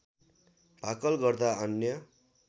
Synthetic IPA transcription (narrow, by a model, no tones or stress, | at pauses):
bʱakʌlɡʌrd̪aʌnjʌ